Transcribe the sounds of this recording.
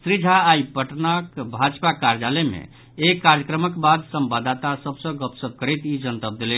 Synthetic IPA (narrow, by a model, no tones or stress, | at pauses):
sɾid͡ʒʱaːipəʈnakbʱad͡ʒpakaɾd͡ʒaləmḛ | ekːaɾjəkɾəməkbad̪səmbad̪at̪asəbsə̃ɡəpsəb̚kəɾɛt̪id͡ʒənt̪əb̚d̪elɛ